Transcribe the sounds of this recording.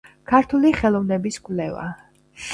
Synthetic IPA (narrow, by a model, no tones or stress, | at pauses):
kʰaɾt̪ʰuliχɛlˠɔvnɛbiskʼvlɛva̰